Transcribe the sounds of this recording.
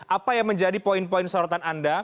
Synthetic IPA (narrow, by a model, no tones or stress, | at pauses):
ʔapajaŋməɲd͡ʒadipoɪnpɔɪnsɔɾɔt̪ananda